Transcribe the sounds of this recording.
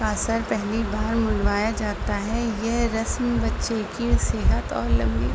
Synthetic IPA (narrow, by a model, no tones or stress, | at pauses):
kaːsəɾpɛɦlibaːɾmʊɽʋaːjad͡ʒaːt̪aɦɛjɛɦɾɐsmbɐtːʃekiseːɦət̪ɔ̰ːɾlɐ̰̃mbḭː